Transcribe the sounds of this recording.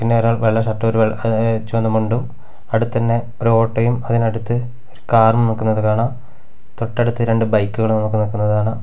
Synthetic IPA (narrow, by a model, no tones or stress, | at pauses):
pinːeɐɾaːɭʋeɭːɐɕɐʈːɐmoɾuʋet͡ɕːuɐnːumuɳɖum | ɐɽut̪ːt̪ɐnːe | oɾo̞ːʈːɐjumɐðinɐɽut̪ːɨ | oɾukaːrmɨmnokːunːɐðɨkaːɳaːm | t̪o̞ʈːɐɽut̪ːɨɾe̞ɳɖɨbɐjkːuɣɐɭumnokːɨnokːunːɐðaːɳɐ